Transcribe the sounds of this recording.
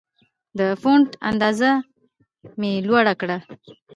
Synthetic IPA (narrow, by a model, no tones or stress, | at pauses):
d̪əfoɳʈa̰nd̪ɑza | melwaɽakɽa